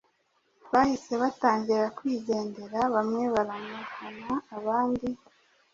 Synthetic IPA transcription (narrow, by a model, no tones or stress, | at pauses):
βahise̞βataːɲɟiɾakwiːɟe̞ːnde̞ɾaβamŋe̞βaɾamukanaːβaːndi